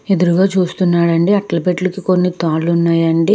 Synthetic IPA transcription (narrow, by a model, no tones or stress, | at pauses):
ed̪uɾuɡaːt͡ʃuːst̪unːaːɽɐɳɖiɐʈlɐpeʈlukiko̞nːit̪aːlunːaːjɐɳɖi